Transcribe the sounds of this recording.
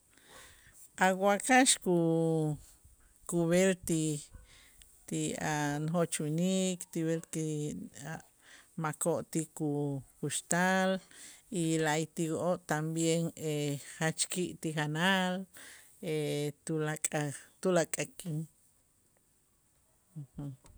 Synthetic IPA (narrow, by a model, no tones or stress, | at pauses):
ʔawwakaʃku | kuβelt̪i | t̪ianxoʔt͡ʃnikt̪iβelkia | makoʔt̪ikukuʃt̪alilajt̪ikoʔoʔt̪ambjeŋehat͡ʃkiʔt̪ixanal | et̪ulakʼat̪ulakʼakʼin | h̩